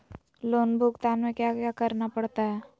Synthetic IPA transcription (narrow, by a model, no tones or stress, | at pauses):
loːnbʱukt̪aːnmẽkjaːkakəɾnapəɽt̪aɦɛː